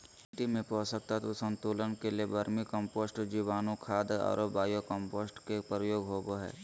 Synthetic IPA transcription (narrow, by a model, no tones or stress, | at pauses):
ʈimẽpɔːsək̚t̪at̪osə̃nt̪uːlənkeliebʱəɾmikə̃mpoːsʈd͡ʒiːʋaːnõkʰaːd̪a̰ːɾobaːjokə̃mpoːsʈkepɾəjoːɡɦoːboɦɛ̰ː